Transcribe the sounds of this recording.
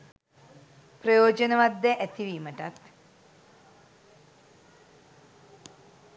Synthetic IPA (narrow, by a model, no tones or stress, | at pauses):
prəjoːd͡ʒənəʋat̪d̪ɛʔæt̪iʋiːməʈat̪